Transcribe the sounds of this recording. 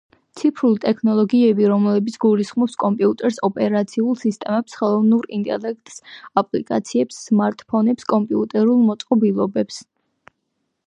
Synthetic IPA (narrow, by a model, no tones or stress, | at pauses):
t̪sʰipʰɾulit̪ʼɛkʰnɔlˠɔɡiɛbiɾɔmlɛbit̪sʰɡulisχmɔpskʼɔmpʼiut̪ʼɛɾsɔpʼɛɾat̪sʰiulˠsist̪ʼɛmɛpsχɛlˠɔvnuɾint̪ʼɛ̰lɛk̚ʰt̪ʼsapʼlḭkʼa̰t̪sʰiɛpsːmaɾt̪ʼpʰɔnɛpskʼɔmpʼiut̪ʼɛɾulˠmɔt̪sʼqʼɔbilˠɔbɛps